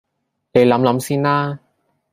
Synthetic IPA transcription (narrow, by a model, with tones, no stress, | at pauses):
ne˨˧jlɐ˨˧˥mlɐ˨˧˥msiː˥naː˥